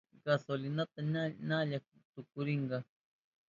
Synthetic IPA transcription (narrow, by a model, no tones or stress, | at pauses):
ɡɑsolɪnat̪ananaʎak̚ʊt̪ʊkʊɾɪɴɢɑ